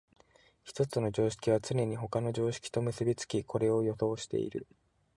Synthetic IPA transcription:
çi̥t̪o̞t͡sɨno̞d͡ʑo̞ːɕi̥kʲiβ̞at͡sɨnʲe̞ɲ̟iɦo̞kano̞ʑo̞ːɕi̥kʲi̥t̪o̞mɯ̟sɨbʲit͡sɨ̥kʲikʰo̞ɾe̞o̞jo̞so̞ːɕi̥t̪e̞̰ḭɾɯ̟

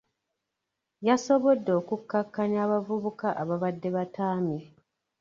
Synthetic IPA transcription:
jaso̞βodːeːkukːakːanjaːβavuβukaʔaβaβadːe̞βataːmi

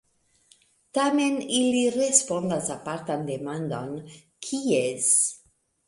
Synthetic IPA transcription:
t̪ameniliɾespo̞nd̪asapaɾt̪and̪emand̪on | kʰies

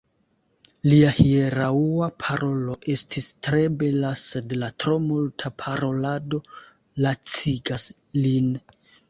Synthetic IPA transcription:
liahieɾauapʰaɾo̞lo̞ʔe̞stʰistɾe̞be̞lase̞dlatɾo̞multʰapʰaɾo̞lado̞ | lat͡siɡas | lin

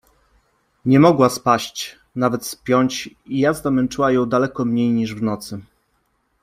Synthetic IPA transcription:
ɲɛmɔɡwaspaɕt͡ɕ | navɛt̪spʲjɔɲt͡ɕ | ijazd̪amɛnt͡ʂɘwajɔ̃w̃d̪alɛkɔmɲejɲiʐvnɔt̪sɘ

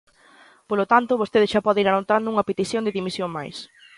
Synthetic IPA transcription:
polot̪ant̪oβost̪eðɪsʃapɔðeiɾanot̪and̪ʊuŋɐpet̪iθjõnd̪ɪðimisjoŋma̰js

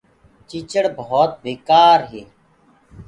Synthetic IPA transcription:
t͡ʃiːt͡ʃəɽbəɦoːt̪̚beːkaːɾɦeː

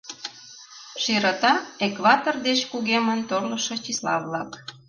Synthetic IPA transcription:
ʃiɾət̪ɑekβɑt̪ord̪et͡ɕkuɣemənt̪orləʃɤt͡ɕislɑ̰βlɑk

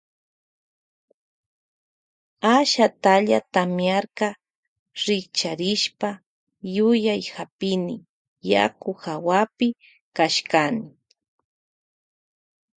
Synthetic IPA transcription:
aʃat̪aʎa̰t̪amjaɾka | ɾɪkt͡ʃaɾɪʃpa | jʊjajhapɪnɪ̰ | ja̰kʊxawapɪ | kaʃkanɪ

